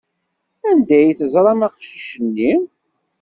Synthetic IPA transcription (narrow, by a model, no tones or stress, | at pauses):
ænd̪æjθəzˤɾˤɑmɑqʃiʃənːim